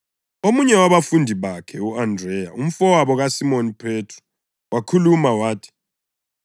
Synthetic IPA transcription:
omuɲɛwaβafundʱiβakʰɛuandrɛja̰um̩fɔwaβɔɣasimonipʰetʰrɔ̥ | wʔakʰulumawaːtʰi̥

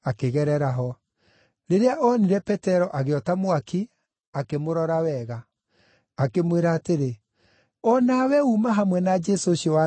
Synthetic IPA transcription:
akeɣɛɾɛɾaɦɔ | ɾeɾeaʔɔniɾɛpɛtɛɾɔʔaɣeɔtamowaki | akemoɾɔɾawɛɣaː | kemweɾaːteɾe | ɔnawɛumaɦamwɛnad͡ʒɛsoʃjɔwa

